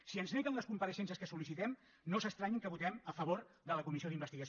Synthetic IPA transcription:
siənznekənləskumpəɾəʃɛnsəskəsulisit̪ɛm | nosəst̪ɾaɲiŋkəβut̪ɛməfəβ̞oɾd̪ələkumisioðimbəst̪iɣəs

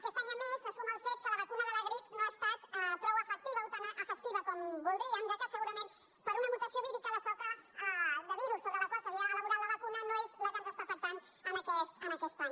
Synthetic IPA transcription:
kest̪ananesasumalfet̪̚kalaβakunaðeleɣɾiknoast̪at̪pɾoβaefek̚t̪iβaut̪anaʔafek̚t̪iβakombolðeand͡ʒat̪aseɣuɾamen | paɾunamut̪asioβiðikaðasat̪a | ðaβiɾusoβelakosaðiaðlaβuɾalaβakunanoezlaɣanzast̪afek̚t̪an | anakest̪anakest̪an

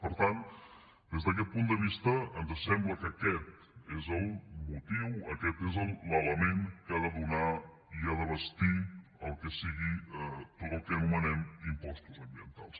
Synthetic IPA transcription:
pəɾt̪an | d̪ezðək̬ɛt̪̚pund̪əβ̞ist̪əənzəsɛmbləkəkɛt̪ | ezəlˠmut̪iwəkɛt̪ezəlˠlələmeŋkəaðəðuna | iaðəβəst̪iəlˠkəsiɣiɛt̪ot̪əlˠkəənumənɛmimpɔst̪uzəmbiənt̪alˠs

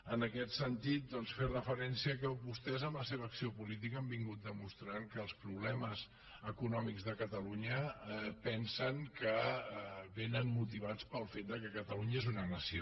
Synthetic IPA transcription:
ənəkɛt̪sənt̪it̪̚d̪ɔnsferəfəɾɛnsiəkəβust̪ɛzəmləseβəːksiopulit̪̬ikəmbiŋɡut̪̚d̪əmust̪ɾaŋkəːlˠspɾuβlɛməz | əkunɔmikzðəkət̪əluɲəpɛnsəŋkə | βenənmut̪iβ̞at͡spəlˠfet̪̚d̪əkɛkət̪əluɲəezunənəsio

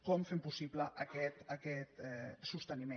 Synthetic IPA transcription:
kɔmfempusipləʔɐkɛt̪akɛt̪ɛsust̪ənime

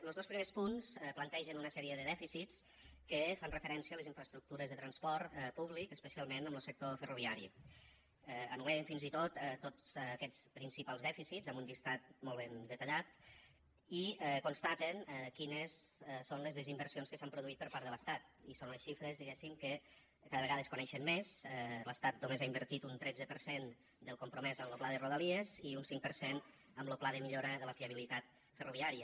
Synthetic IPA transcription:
ləlˠzðospɾimespunsɛplənt̪ɛʒənunəsɛɾiəðəðɛfisit͡s | kəfanrəfəɾɛnsiələziɱfɾəst̪ɾuk̚t̪uɾəzðət̪ɾənspɔɾt̪ɛpuβlikəspəsialˠmenəmləlsək̚t̪ofəruβiaɾḭ | ɛənueəɱfinzit̪ot̪t̪ːo̥ːkɛt͡spɾinsipalˠzðɛfisizəmbumbist̪at̪̚mɔlˠβ̞end̪ət̪əʎat̪̚ | iɛkonst̪at̪ənɛkinəssonləzðəzimbəɾsionskəsampɾuðuit̪̚pəɾpaɾdðələst̪at̪̚isonləsʃifɾəzðiɣɛsimkə | kaðəβəɣaðəskunɛʃənmːezɛləst̪at̪̚d̪omezaimbəɾt̪it̪unt̪ɾɛd͡zəpəɾsen | d̪əlˠkumpɾumɛzəmloplaðəruðəlieziunsiŋk̚pəɾsen | əmloplaðəmiʎoɾəðələfiəβ̞ilit̪at̪̚ | fərʔuβ̞iaɾiə

